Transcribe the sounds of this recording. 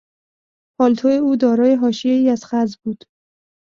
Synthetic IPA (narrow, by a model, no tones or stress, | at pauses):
pʰɒːlt̪ʰoeuːd̪ɒːɾɒːjeɦɒːʃije̞iːæz̥xæzbuːd̪̥